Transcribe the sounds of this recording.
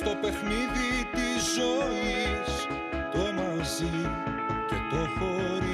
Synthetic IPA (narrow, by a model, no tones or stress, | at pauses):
t̪o̞pe̞xniðit̪izːo̞is | t̪oemo | zi | cet̪o̞xo̞ɾi